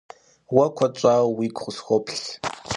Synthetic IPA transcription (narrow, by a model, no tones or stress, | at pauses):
wɐkʷʰɔt͡ʃʷʼaːwiːkʷχʷʊsxʷɔpʰɬ